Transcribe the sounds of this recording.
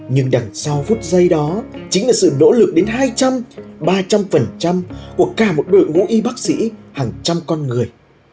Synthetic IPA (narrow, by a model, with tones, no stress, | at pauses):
ɲɨ˧ŋɗa˨˩ŋsa˧wfu˦˥t̚zə˧jɗɔ˨˦t͡ɕï˨˦ŋ̟laː˨˩sɨ̰˧˨no̰˧˥lɨ˨˩k̚ɗe˨˦nɦaː˧jt͡ɕa˧mɓaː˧t͡ɕa˧mfə˨˩nt͡ɕa˧mku˧˩əkaː˧˩mo˨˩t̚ɗo̰˧˨jvṵ˧˥ʔi˧ɓaː˦˥k̚sḭ˧˥haː˨˩ŋt͡ɕa˧mkɔ˧nŋɨ˨˩əj